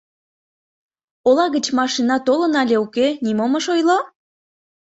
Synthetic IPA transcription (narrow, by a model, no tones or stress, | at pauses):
olɑɣət͡ɕmɑʃinɑt̪olə̆nɑlʲeukenimoməʃojlo